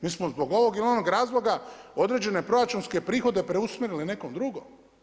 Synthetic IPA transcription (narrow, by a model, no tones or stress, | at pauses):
miːsmozbo̞ɡo̞ʋo̞ɡilio̞noɡɾaːzlˠo̞ɡao̞d̪ɾed͡ʑe̞ne̞pɾo̞ɾat͡ʃunske̞pɾiːxo̞d̪e̞pɾeusmʲeɾiline̞komd̪ɾuɡo̰m